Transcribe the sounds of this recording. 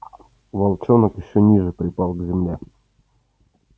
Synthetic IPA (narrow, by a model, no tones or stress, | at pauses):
vɐlˠt͡ɕonəkjɪɕːonʲiʐɨpɾʲɪpalˠɡzʲɪmlʲe